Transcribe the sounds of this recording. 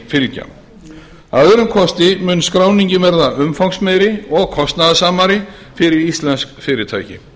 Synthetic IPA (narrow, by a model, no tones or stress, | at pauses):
fɪlca̰ | aðɾʏmkʰɔst̪ɪmʏːnskɾaːwniɲcɪvɛɾðaʏmfawksmɛjɾɪɔɣkʰɔst̪naðasaːmaɾɪ | fɪɾɪɾist̪lɛnskfɪːɾɪt̪ʰa̰ːjcɪ̰